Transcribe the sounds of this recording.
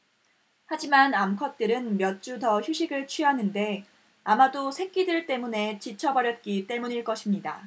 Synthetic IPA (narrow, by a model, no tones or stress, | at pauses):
had͡ʑimanamkʰʌt̚t͈ɯɾɯnmjʌt̚t͡ɕ͈utʌçjuɕʰiɡɯɭt͡ɕʰɥiɦanɯnde̞ | amadosʰe̞k͈idɯɭt͈e̞mune̞t͡ɕit͡ɕʰʌbʌɾjʌt̚k͈it͈e̞muɲiɭk͈ʌɕʰimɲida̰